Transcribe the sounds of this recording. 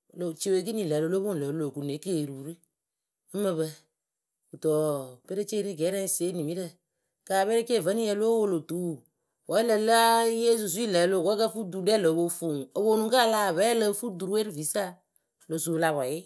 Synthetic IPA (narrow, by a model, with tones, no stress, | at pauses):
lo˨t͡ʃe˧we˧˨k̬ɨ˦nĩ˨ləː˨lo˧˦lo˦o˦˨lə˨˦lo˨ku˨ne˨˦ke˦˨ɾuː˨˦ɾɨ˦ | ə˦mə˧βə˧ | u˨tɔ˨pe˦ɾe˦t͡ʃe˦˧ɾi˦ɡɛ˨˦ɾɛ̃˦˨se˨˦ni˨mi˨˦ɾə˧˨ | kaː˨bɛ˦ɾe˦ke˦˨və˦ni˦jɛ˧˦lo˦wo˧lo˨tuː˨˦˨ | wɔ˨˦lə˧˦la˦je˦s̬u˨s̬u˦i˦lə˨˦lo˧˨kɔ˨˦kə˦fu˦du˨˦dɛ˦˨lə˨˦wo˧˦fu˨ŋo˨wo˧˦nũ˨˦ka˦laː˦˨βɛ˦lə˧˦fu˦du˨ɾu˦we˦ɾɨ˦˨vi˨˦sa˦˨ | lo˨su˨˦˧la˧wa˨ɪ˦